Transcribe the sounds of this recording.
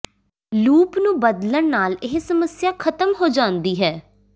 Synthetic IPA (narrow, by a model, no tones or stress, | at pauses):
luːpnũːbəd̪ləɳnaːlɪɦsəməsjaːkʰət̪əmɦoːd͡ʒãːnd̪iːɦɛː